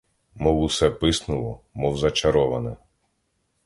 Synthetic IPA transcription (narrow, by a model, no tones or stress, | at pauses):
mɔwusɛpɪsnʊlˠɔmɔwzɐt͡ʃɐɾɔʋɐnɛ